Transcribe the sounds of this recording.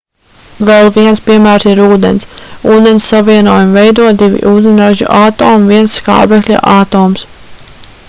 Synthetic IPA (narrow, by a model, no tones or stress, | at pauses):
vɛlˠviɛnspʲiɛmæːɾsiɾuːd̪ḛnsuːd̪ensːaviɛnuɔːjumvɛjd̪uɔd̪ivʲḭʔuːd̪ɛnɾaʒṵʔaːt̪oːmviɛnska̰ːbɛklʲa̰ʔaːt̪oːms